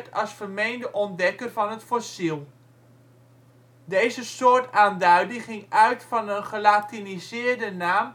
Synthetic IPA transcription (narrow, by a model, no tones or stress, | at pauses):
tʰɑlˠsfəmejndəʔɔndɛkərvɑnɦətfɔsilˠ | dejzəsoːɹtaːndœɥdəχɪŋœɥtfɑnənχəlaːtinizɪːɹdənaːm